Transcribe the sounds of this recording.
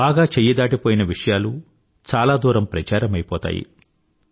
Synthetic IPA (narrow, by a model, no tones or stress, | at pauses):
baːɡaːt͡ʃejɐd̪aːʈipoːjinɐʋiʂɐjaːlu | t͡ʃaːlaːd̪uːɾɐmpɾɐt͡ʃaːɾɐmɐjpɔ̰ːt̪a̰ːjḭ